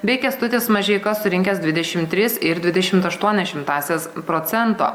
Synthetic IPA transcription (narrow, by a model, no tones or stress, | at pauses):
bʲɛɪkʲɛst̪ʊt̪ʲɪːsmɐʒʲɛɪkɐssʊɾʲɪŋʲkʲɛsd̪ʲʋʲɪd̪ʲɛʃʲɪmt̪ʲɾʲɪsɪɾd̪ʲʋʲɪd̪ʲɛʃʲɪmt̪ɐʃt̪uɔnʲɛʃʲɪmt̪ɑːsʲeːspɾoːt̪sʲɛnt̪o̰ː